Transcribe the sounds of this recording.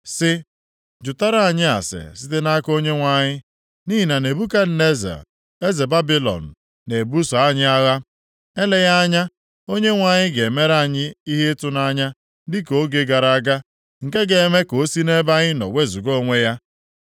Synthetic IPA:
sɪ˦ | d͡ʒʊ˨ta˦ɾa˦˨a˨ɲɪ˦a̰˨sɪ̰˨sɪ˦te˦na˦ko˦ɲe˦ŋʷa˨ɲɪ˦ | niː˦ɦi˨na˨ne˨bu˦ka˦n̩˦ne˦zḛ˨ | e˦ze˨ba˦bi˦lɔ̰˨n̩˨ | ne˨bu˦sa˨a˦˨ɲɪ˦a˦ɣa˦ | e˦le˦ja˦a˦ɲa˦ | o˦ɲe˦ŋʷa˨ɲɪ˦ɡe˨me˦ɾa˦˨ɲɪ˦i˦ɦe˦tʊ˦na˦ɲa˦ | dɪ˦ko˦ɡe˦ɡa˨ɾa˨a˦˨ɡa˦ | ŋ̩˨ke˦ɡe˨e˨me˦ko˨˦si˦ne˦ba˦ɲɪ˦nɔ̰˨wʷe˦zu˨ɡo˦ŋʷe˦ja˦

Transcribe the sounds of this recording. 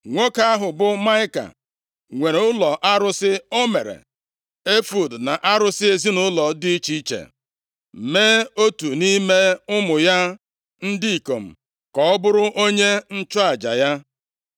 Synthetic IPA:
ŋʷo˦ka˦a˦ɦʊ˨bʊ˦ma˦ɪ˦ka̰˨ | ŋʷe˨ɾe˨ʊ˦lɔ˨ʔa˦ɾʊ˦sɪ˦o˦mḛ˨ɾḛ˨ | e˦fu˨dna˨ʔa˦ɾʊ˦sɪ˦e˨zi˦nʊ˦lɔ˨dɪ˦i˦t͡ʃi˦t͡ʃḛ˨ | meː˦o˦tu˨ni˦me˦ʊ˦mʊ˨ja˦ | n̩˦di˦i˨ko˨m̩˨ | kɔ˨ɔ˦bʊ˦ɾʊ˦ʔo˦ɲe˦n̩˦t͡ʃɔ˦a˨d͡ʒa̰˨ja˦

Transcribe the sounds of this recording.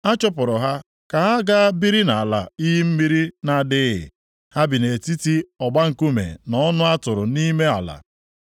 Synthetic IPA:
a˦t͡ʃɔ˦pʊ˨ɾʊ˨ɦa˦ | ka˨ɦa˦ɡa˦a˦bi˦ɾi˦na˨a˨la̰˨i˦ɦi˦m̩˦mi˦ɾi˦na˨dɪ˦ɦɪ̰˨ | ha˦bɪ˨ne˨ti˦ti˦ɔ˨ɡ͡ba˦ŋ̩˨ku˦mḛ˨nɔ˦nʊ˦a˦tʊ˨ɾʊ˨ni˦me˦a̰˨la̰˨

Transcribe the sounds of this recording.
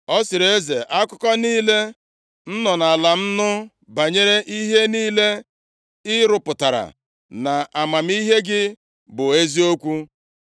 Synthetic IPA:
ɔ˦sɪ˨ɾe˦ze˨ʔa˦kʊ˦kɔ˦niː˦le˦ | n̩˦nɔ˨na˨la˨m̩˦nʊ˦ | ba˨ɲe˦ɾe˦ʔi˦ɦe˦niː˦le˦ | ɪ˦ɾʊ˨pʊ˨ta˨ɾa̰˨ | na˨a˨ma˨m̩˦i˦ɦe˦ɡɪ˦ | bʊ˨e˦zi˦o˦kʷu˦

